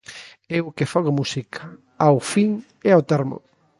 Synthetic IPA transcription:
eʊkefɔɣomusikʰɐ | awfiŋ | ɛawt̪ɛɾmʊ̰

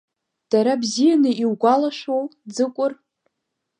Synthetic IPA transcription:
d̥aɾabzijanɨiwɡʷalaʃʷowd͡zɨkʷʼʊr

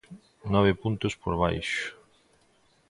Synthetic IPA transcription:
nɔβ̞ɪpunt̪ospoɾβa̰jʃʊ̥

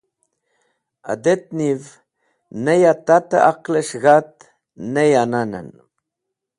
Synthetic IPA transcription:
a̰d̪et̪̚niv | nejat̪at̪əʔaqləʃɣat̪̚ | nejananə̰n

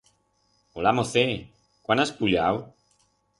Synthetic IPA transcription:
olamoθe | kwanaspuljaw

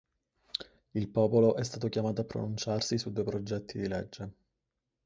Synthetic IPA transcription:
ilpɔːpoloʔɛst̪aːt̪okjamaːt̪oapːɾo̰nunt͡ʃarsisud̪ːuepɾod͡ʒɛt̪ʰːid̪iled͡ʒːe

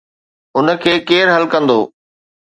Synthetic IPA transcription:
ʊnə̆kʰeːkeːɾɦɐlkɐ̃nd̪oː

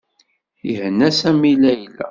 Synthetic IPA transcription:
ihənːæsæmilæjlæ̰

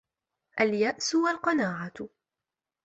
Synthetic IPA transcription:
ʔaljaʔsʊwalqɑnaːʕat̪

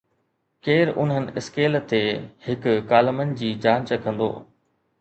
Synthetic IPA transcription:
keːɾʔʊ̰nɦənɪ̆ɪ̰skeːlt̪ehɪkʊkaːləmənɪ̆d͡ʑiːd͡ʑãːɲt͡ɕəkɐ̃nd̪o̰ː

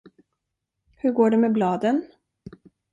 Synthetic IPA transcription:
hɵɾɡoːɖɛmɛblɑːd̪ən

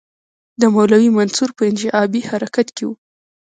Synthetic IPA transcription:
d̪əmawlawimansuɾpəɪnʒɪʔɑbihaɾakat̪kewu

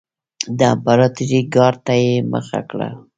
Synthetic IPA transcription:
d̪əampɑɾɑt̪ɾiɡɑɾt̪ajemə̰xa̰kɽa̰

